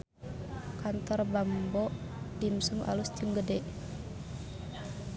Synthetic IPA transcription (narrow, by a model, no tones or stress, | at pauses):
kant̪ɔrbambɔʔdimsumʔa̰lust̪imɡədɛ